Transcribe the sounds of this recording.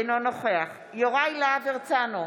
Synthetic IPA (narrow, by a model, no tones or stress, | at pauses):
nonoχeaχ | joʁajlaveʁt͡sano